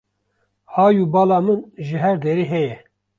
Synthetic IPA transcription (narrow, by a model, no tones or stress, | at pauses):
hɑːjubɑːlɑːmɨnʒɨɦɛɾd̪eɾiːɦɛjɛ